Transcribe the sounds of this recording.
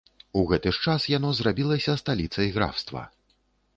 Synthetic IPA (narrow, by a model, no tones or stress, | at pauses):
uɣɛt̪ɨʂt͡ʂasjanɔzrabʲilˠɐsʲɐst̪alʲit̪sɐjɣɾa̰wst̪vɐ̰